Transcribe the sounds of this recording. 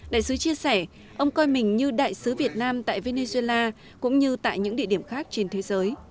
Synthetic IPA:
ɗa̰ː˧˨jsɨ˨˦t͡ɕi˧əsɛ˧˩ | ʔə˧wŋ͡mkɔ˧jmï˨˩ŋ̟ɲɨ˧ɗa̰ː˧˨jsɨ˨˦vi˨˩ət̚naː˧mt̪a̰ː˧˨jve˧ne˧zu˧e˧laː˧ | kʊ̰˧˥ŋ͡mɲɨ˧t̪a̰ː˧˨jɲɨ̰˧˥ŋḭ˧˨əɗi˧˩əmxaː˦˥k̚t͡ɕe˧nt̪ʰe˨˦zəː˨˦j

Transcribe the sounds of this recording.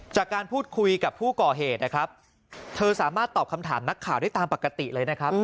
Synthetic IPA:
t͡ɕaː˨˩kːaː˧npʰuː˥˩t̪̚kʰu˧jka˨˩pʰuː˥˩kɔː˨˩ɦeː˨˩t̪̚na˦˥kʰɾa˦˥p̚ | t̪ʰɤː˧saː˩˦maː˥˩t̪ːɔː˨˩p̚kʰa˧mt̪ʰaː˩˦mna˦˥kʰːaː˨˩wdaː˥˩t̪aː˧mpa˨˩ka˧t̪i˨˩lɤː˧jna˦˥kʰɾa˦˥p̚

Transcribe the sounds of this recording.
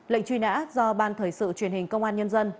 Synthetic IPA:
lə̰˧˨ŋt͡ɕwi˧na̰ː˧˥zɔ˧ɓaː˧nt̪ʰəː˧˩jsɨ̰˧˨t͡ɕwi˨˩ənhï˨˩ŋ̟kə˧wŋ͡mʔaː˧nɲə˧nzə˧n

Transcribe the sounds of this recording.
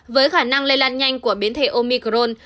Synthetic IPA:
vəː˨˦jxaː˧˩na˧ŋle˧jlaː˧nɲa˧jŋ̟ku˧˩əɓi˨˦ənt̪ʰḛ˧˩ʔo˧mi˧kɾo˧n

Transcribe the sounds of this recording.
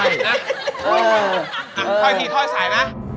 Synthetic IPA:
na˦˥˧ | ʔa˨˩˧kʰɔ˨˦jt̪ʰiː˧kʰɔː˧˩˦saː˩˦jna˦˥

